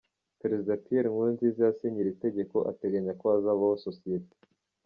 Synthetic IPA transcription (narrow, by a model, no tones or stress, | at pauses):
pɾezid̪ãpieɾŋwunzizeaseɲiɾit̪eɟekoʔa̰t̪eɡaɲakoazaβaososiet̪e̥